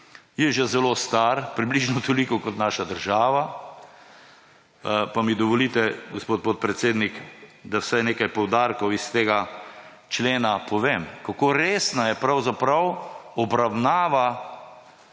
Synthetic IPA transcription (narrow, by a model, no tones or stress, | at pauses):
jɛʒɛzɛlost̪aɾpɾibliʒnɔt̪olikɔkɔt̪naːʃad̪əɾʒaːʋa | pamid̪ɔʋɔliːt̪ɛɡospoːt̪̚pot̪̚pɾɛt̪seːd̪nikd̪awsajneːkajpɔwd̪aːɾkɔwist̪eːɡat͡ʃleːnapʰɔʋemkakoɾeːsnajɛpɾawzapɾɐwɔbɾawnaːʋa